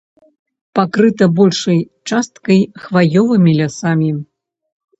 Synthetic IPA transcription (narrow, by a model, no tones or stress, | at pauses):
pakɾɨt̪ɐbɔlʲʂɐj | t͡ʂast̪̚kɐjxvajɔvɨmʲilʲasamʲi